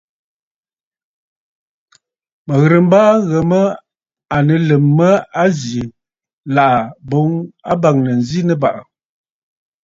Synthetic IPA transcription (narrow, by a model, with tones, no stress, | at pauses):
mə˨ɣɾə˨m˦ba˦ɣə˨mə˦ | a˨nə˨lə˨mːə˦a˦zji˨ | la˨ʔa˨bo˨˦ŋa˦ba˨ŋnə˨n̩˨zi˦nə˦ba˨ʔa˨